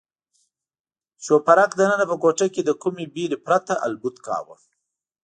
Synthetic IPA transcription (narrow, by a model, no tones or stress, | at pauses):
ʃopaɾaqd̪ənənapəkoʈaked̪əkumebiɾepɾat̪aʔa̰lbʊt̪kɑ̰ːwa̰